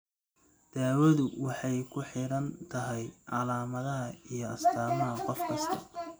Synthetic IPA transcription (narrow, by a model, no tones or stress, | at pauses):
d̪̥aːwɐðʊwɑħɑjkʰʊħɪɾɐnt̪ʰɐɦɛjʔɑlaːmɐðɐɦɐijɞɐst̪ʰaːmɐɦɐqɔfkʰɐst̪ʰɐ